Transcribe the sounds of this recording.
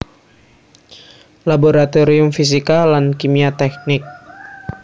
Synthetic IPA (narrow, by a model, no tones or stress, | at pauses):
laboɾat̪oɾiumfis̬ikalankimiat̪ɛk̚nɪk̚